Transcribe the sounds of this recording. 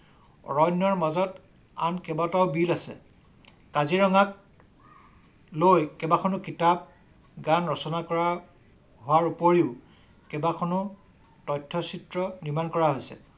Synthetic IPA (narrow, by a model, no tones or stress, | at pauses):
ɔ̰ɹɔjnjɔɹmazɔt | a̰nkɛbatɔwbilasɛ̰ | kaziɹɔŋak | lojkɛbakʰɔnʊkitab̚ | ɡanɹɔsɔnakɔɹa | ɦʊwaɹupoɹiʊ | kɛbakʰɔnʊ | tɔjtʰːɔsitɹɔniɹmankɔɹaɦojsɛ̰